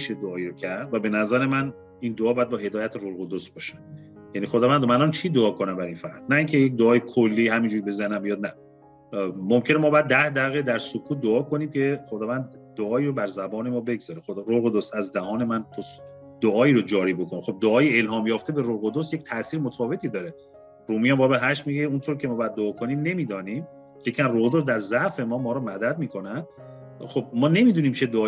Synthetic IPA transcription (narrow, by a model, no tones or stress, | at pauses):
iʃed̪oɒːiɾocʰæɾd̪væbe̞næzæɾe̞mæn | ind̪oɒːbɒjæd̪bɒːhe̞d̪ɒːjæt̪ʰeɾolɣod̪osbɒːʃænd̪ | jænixod̪ɒːvænd̪ɾomænɒnt͡ʃʰid̪oɒːkʰo̞næmbæɾinfæɾd̪̥næiːŋcʰejec̚d̪oɒːjekʰolːiːhæmind͡ʒuɾbe̞zænæmbijɒːd̪̚næ | momcʰe̞nemɒːbjæd̪ːæhd̪æɣed̪æɾsokʰuːt̪̚d̪oɒːkʰo̞niːmcʰe̞χod̪ɒːvænd̪d̪oɒːiːɾobæɾzæbɒːne̞mɒːbe̞ɡzɒːɾexod̪ɾoɣod̪osæzd̪æhɒːne̞mænt̪ʰos | d̪̥oɒːiːɾod͡ʒɒːɾiːbo̞kʰonexob̚d̪oɒːjeelɦɒːmjɒːft̪e̞beɾoɣod̪osjec̚ʲt̪ʰæʔsiːɾmot̪ʰɒːve̞t̪ʰid̪ɒːɾe | ɾuːmijæmbɒːɾbeɦæʃmiɡeunt̪ʰoɾicʰe̞mɒːbɒæd̪̚ːoɒːkʰo̞niːmne̞miːd̪ɒːnim | jecʰiæmroɣod̪osd̪æɾzæʔfe̞mɒːmɒːɾɔmæd̪æd̪̚miːkʰo̞nænd̪̥̚ | xob̥̚mɒːne̞miːd̪uːniːmt͡ʃʰed̪oː